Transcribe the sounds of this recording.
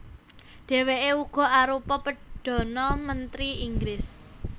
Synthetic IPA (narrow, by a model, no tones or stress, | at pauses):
ɖ̪̥e̤weʔeuɡ̥ɔ̤aɾupɔpəɖ̥ɔ̤nɔmənt̪ɾiiŋɡɾɪs